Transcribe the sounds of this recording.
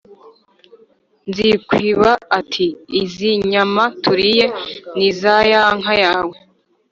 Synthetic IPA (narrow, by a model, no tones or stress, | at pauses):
nzikwiːβaːtʰiːziɲamatuɾije̞nizajaŋɦajaːwe